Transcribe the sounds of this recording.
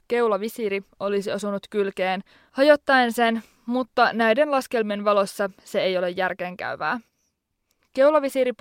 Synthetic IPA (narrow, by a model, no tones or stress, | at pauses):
ke̞ulɑʋisiɾio̞lisiɑsunut̪kylke̞ːn | hɑjo̞t̪ːɑense̞n | mut̪ːɑnæjde̞nlɑske̞lmienʋɑlo̞sʲːɑse̞ejo̞le̞jːærk̟eːŋkæ̰yʋæ̰ː | ke̞wlɑʋisiɾip